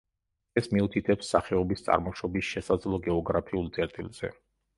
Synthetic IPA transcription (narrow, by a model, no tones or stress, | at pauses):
ɛsmiut̪ʰit̪ʰɛpsːa̰χɛɔbist̪sʼa̰ɾmɔʃɔbisʃɛsad̪zlˠɔɡɛɔɡɾapʰiulˠt̪sʼɛɾt̪ʼilˠz̥ɛ̰